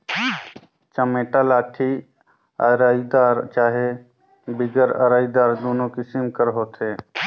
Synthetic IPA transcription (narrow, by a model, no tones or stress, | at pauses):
t͡ʃəmeːʈalaːʈʰi | əɾaːid̪aːɾt͡ʃaːɦe | bɪɡəɾə̰ɾaːid̪aːɾd̪oːnokɪsɪmkəɾɦoːt̪eː